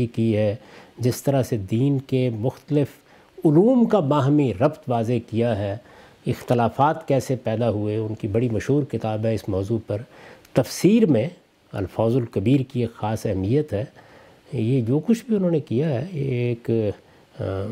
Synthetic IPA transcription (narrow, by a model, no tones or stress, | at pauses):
ikiɦɛd͡ʒɪst̪ɐɾased̪iːnkemʊxt̪əlɪf | ʊluːmkabaːɦmiɾɐbt̪ʋaːzekijaɦɛ | ɪxt̪ɪlaːfaːt̪kɛːsepɛːd̪aɦueʊnkibɐɽimɐʃɦuːɾkɪt̪aːbɦɛɪsmɔːzupɐɾt̪ɐfsiːɾmẽ | ɐ̰lfaːzʊlkɐbiːɾkieːkxaːsɛɦmijət̪ɦɛː | jed͡ʒoːkʊt͡ʃʰbʱiʊnɦõːnekijaɦɛeːk